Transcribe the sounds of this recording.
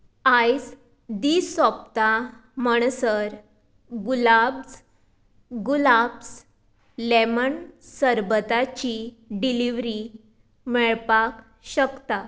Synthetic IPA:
ajs | d̪isɔpt̪aməɳ̃səɾ | ɡulabs | ɡulabs | lɛmənsəɾbət̪at͡ɕi | ɖiliʋɾi | mɛɭpak | ɕəkt̪a

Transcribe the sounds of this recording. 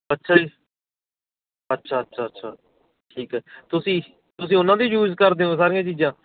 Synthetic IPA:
ətːʃʰaːiː | ətːʃʰaːətːʃʰaːətːʃʰaː | ʈʰiːkɦɛːt̪ʊsĩː | t̪ʊsĩːʊnãːd̪iːjuːzkəɾd̪eːõːs̬aːɾijãːt͡ʃiːd͡ʒãː

